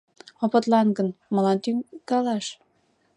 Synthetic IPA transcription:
opɤ̆t̪lɑnɡə̆nmɤ̆lɑnt̪yɡɑlɑʃ

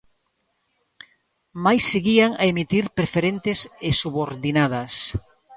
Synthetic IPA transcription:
majsːeɣiaŋaemit̪iɾpɾefeɾent̪ɪsesuβoɾðinaðɐs

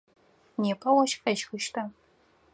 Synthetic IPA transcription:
neːpʰɐwɐʃxɐʃxɨʃtʰɐ

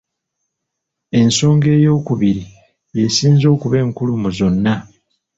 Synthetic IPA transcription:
e̞nso̞ːŋɡe̞ːjo̞ːkuβiɾi | je̞siːnzo̞ːkuβe̞ːŋkulumuzo̞nːa

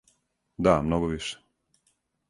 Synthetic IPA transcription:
d̪amnoɡoʋiʃe̥

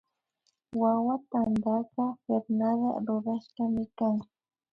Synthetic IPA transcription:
wawat̪and̪aqɑfeɾnaða̰ɾoɾɑʃqɑmɪkaŋ

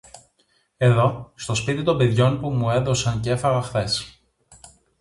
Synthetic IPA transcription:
e̞ðo̞st̪o̞spit̪it̪o̞mbe̞ðʝo̞npumue̞ðo̞sɐncee̞fɐɣɐxθe̞s

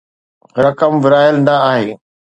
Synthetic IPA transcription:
ɾɐkəmʋɪɾaːəlnɐaːɦeː

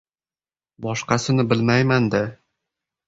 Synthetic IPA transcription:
bɒʃqɑsɤ̆nɤbɘlmæjmænd̪æ

